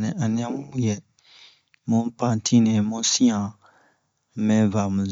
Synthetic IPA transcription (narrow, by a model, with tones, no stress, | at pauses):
nɛ̃˨ʔa˨nɛ̃˦m˦jɛ˨ | mõ˦pã˦˨tʰĩ˦nɛ̃˨mõ˦sĩ˦ã˨ | mɛ̃˦va˨mũ˨z